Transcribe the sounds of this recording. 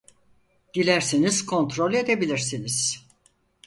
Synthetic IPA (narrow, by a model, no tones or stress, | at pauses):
d̪̥ilʲæɾsiniz̥kʰo̞nt̪ɾo̞lʲe̞d̪ebilʲiɾsiniz̥